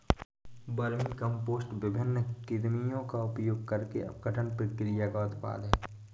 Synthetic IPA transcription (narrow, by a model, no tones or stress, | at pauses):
bɐɾmikə̃mpoːsʈʋɪbʱɪnːəkɪd̪mijõkaʊpjoːɡ̚kəɾkḛɐ̰pɡəʈʰənpɾəkɪɾɪjakaʊt̪pa̰ːlɦɛː